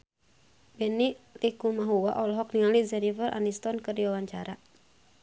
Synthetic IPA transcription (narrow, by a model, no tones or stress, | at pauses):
bɛniʔlikumaɦuwa̰ʔɔlɦɔk̚niŋalizɛnivərʔa̰nist̪ɔnkɨrdiwawaɲt͡ʃaɾa